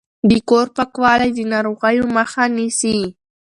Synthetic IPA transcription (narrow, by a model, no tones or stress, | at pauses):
d̪ɪkoɾpakwalajd̪ɪnaɾoɢɑjʊmɑχanɪsiː